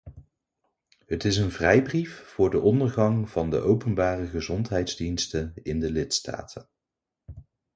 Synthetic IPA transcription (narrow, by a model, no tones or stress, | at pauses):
ɦətɪsənvrɛjbriffʊːɹdəʔɔndəɹχɑŋv̥ɑndə̰ʔowpənbaːrəχəzɔntɦɛjtdzdinstəɪndəlɪtsta̰ːtʰən